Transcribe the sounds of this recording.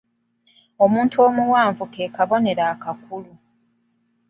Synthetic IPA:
o̞muːntuo̞ːmuwaːɱvuke̞ːkaβo̞ne̞ɾakakulu

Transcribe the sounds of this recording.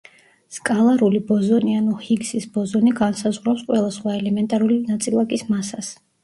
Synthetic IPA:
skʼalˠaɾulibɔzɔnianuhiɡsisbɔzɔniɡansazʁɾapsqʼwɛlˠasχwaɛlɛmɛnt̪ʼaɾulinat̪sʼilˠakʼismasas

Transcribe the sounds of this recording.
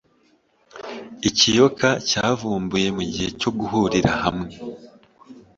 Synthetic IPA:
icijo̞kʰacaːvuːmbuje̞muɟihe̞co̞ɡuɦuɾiɾahamŋe̞

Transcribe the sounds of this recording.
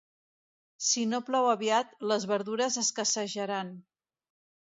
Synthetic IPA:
sinoplawəβiat̪ləzβəɾðuɾəzəskəsəʒəɾan

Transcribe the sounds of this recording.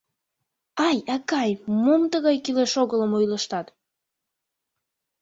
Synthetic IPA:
ɑjɑkɑjmomt̪əɣɑjkileʃoɣələmojləʃt̪ɑt̪

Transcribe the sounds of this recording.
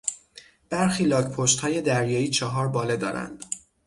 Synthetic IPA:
b̥æɾxiːlɒːkpʰoʃt̪hɒːje̞d̪æɾjɒːiːt͡ʃʰɒɦɒːɾbɒːled̪ɒːɾæ̰nd̪̥

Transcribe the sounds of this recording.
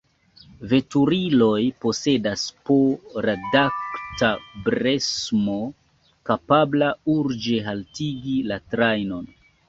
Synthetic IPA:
ve̞tuɾilo̞jpo̞se̞daspoɾadaktabɾe̞smo | kapablauɾd͡ʒe̞ɦaltiɡilatɾajno̞n

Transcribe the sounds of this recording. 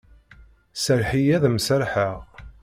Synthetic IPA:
səɾħijæðmsəɾħəʁ

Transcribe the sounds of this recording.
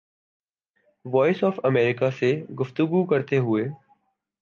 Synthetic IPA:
ʋɔːɪsɔːfəmeːɾɪkaseɡʊft̪ʊɡukəɾt̪eɦʊeː

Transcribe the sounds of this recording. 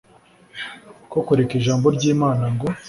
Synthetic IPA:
kokoɾekiʒaːmbo̞ɾɟiːmaːnaŋɡo̞

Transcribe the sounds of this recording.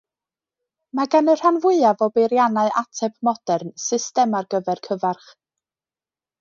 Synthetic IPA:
maɡanər̥anvʊɨavɔbejɾjanaɨʔatʰɛpmɔd̥ɛrnsɪstɛmarɡəvɛrkʰəvarχ

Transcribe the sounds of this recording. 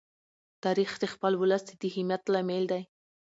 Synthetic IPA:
t̪aɾixd̪expəlwʊləsd̪ed̪ihɪmjat̪lameld̪aj

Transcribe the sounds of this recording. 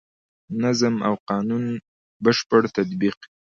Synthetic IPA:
nazəma̰wqɑnun | bəʃpəɽt̪at̪biq

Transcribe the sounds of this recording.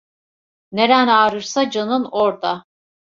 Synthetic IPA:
ned̪ænaːɾɯɾsad͡ʒanɯnoɾd̪a

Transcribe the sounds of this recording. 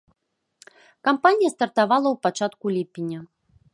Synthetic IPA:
kampanʲijɐst̪ɐrt̪avalˠɐwpat͡ʂat̪kulʲipʲinʲɐ

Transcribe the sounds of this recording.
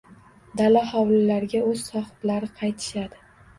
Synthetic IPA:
d̪alahɒwlɪlaɾɡʲaɵz̥sɒhɪ̥b̪laɾɪqʰɑjt̪ʰɪ̥ʃad̪ɪ

